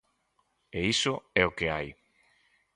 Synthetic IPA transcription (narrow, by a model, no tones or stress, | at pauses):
eisʊɛokeaj